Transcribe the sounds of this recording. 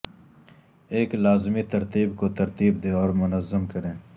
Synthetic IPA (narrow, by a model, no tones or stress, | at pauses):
eːklaːzmit̪ɐɾt̪iːbkot̪ɐɾt̪iːb̚d̪ẽːɔːɾmʊnəzːəmkɐɾẽː